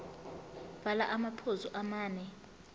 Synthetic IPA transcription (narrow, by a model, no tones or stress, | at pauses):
b̥ʱalaʔamapʰozuʔamaːnɛ